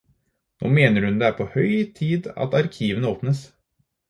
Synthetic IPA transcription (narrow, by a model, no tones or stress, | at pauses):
no̰ːmeːnəɾhʉnd̪ɛæːɾpʰohœʏt̪ʰiːd̪ɑ̰t̪ɑɾkʰiːʋənəoːpnəs